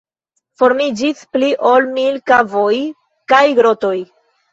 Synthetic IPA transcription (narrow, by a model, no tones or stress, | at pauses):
fo̞ɾmid͡ʒispliʔo̞lmilkavo̞j | kajɡɾo̞to̞j